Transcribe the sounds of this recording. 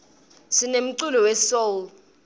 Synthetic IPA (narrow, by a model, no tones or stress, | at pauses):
sinem̩ǀulɔwɛsol